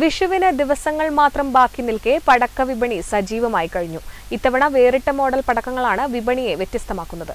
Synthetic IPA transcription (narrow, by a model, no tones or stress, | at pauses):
ʋiʂuʋinɨd̪iʋɐsɐŋːɐɭmaːt̪rɐmbaːkːinːilkepɐɽɐkːɐʋibɐɳisɐd͡ʑiːʋɐmaːjikɐɻiɲːu | it̪ːɐʋɐɳɐʋeːriʈːɐmo̞ːɽɐlpɐɽɐkːɐŋːɐɭaːɳɨʋibɐɳije̞ʋjet̪ːjɐst̪ɐmaːkːunːɐðɨ